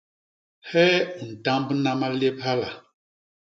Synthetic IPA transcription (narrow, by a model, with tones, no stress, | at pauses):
hɛ˦u˨n̩˨ta˦mbna˦ma˦le˦p̚ha˦la˨